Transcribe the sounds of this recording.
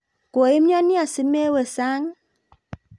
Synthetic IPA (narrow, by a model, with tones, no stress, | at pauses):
ko˨i˦m˦ɔ˦ni˦a˨si˨me˦we˨saː˦ŋ˦